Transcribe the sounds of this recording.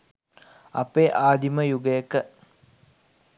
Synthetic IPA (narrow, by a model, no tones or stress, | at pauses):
a̰peːʔaːd̪iməjuɡəjəkə